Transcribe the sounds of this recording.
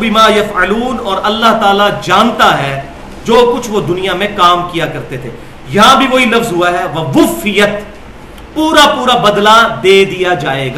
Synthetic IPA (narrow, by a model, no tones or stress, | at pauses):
bɪmaːjɐfəluːnɔːɾɐlːaɦt̪aːlad͡ʒaːnt̪aɦɛ | d͡ʒoːkʊt͡ʃʰʋod̪ʊnijamẽkaːmkijakɐɾt̪et̪ʰeː | jɐɦãbʱiʋoɦilɐfzɦʊaɦɛʋɐʋʊfɪjət̪ | puːɾapuːɾabɐd̪lad̪eːd̪ijad͡ʒaːeːɡaː